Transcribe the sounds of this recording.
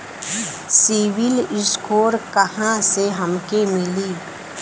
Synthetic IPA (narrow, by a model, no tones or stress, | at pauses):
siːʋɪlɪskʰoːɾkɐhãseɦɐmkemɪliː